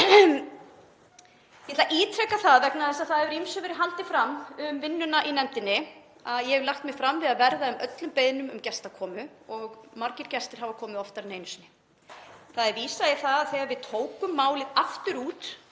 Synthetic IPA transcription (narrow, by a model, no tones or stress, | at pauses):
jɛt̪laʔiːt̪ʰɾɛkːaθaðvɛknaðɛsaðθaðɛvʏɾimsœvɪɾɪɦalt̪ɪfɾamːʏmvɪnːʏnaʔinɛnt̪ɪnːɪ | aðjɛhɛvlaxt̪mɪɣ̥fɾamvɪðaðvɛɾðaʏmœt̪lʏmpeːjðɪnʏmʏmcɛst̪akʰɔːmʏ | ɔɣmaɾcɪɾ̥cɛst̪ɪɾ̥ɦavakʰɔːmɪðɔft̪aɾneːjnʏsnɪ̥ | θaðɛɾviːsajɪθaðaðθɛːɣavɪðt̪ʰoːwkʏmːaːwlɪðaft̪ʏɾuːt̪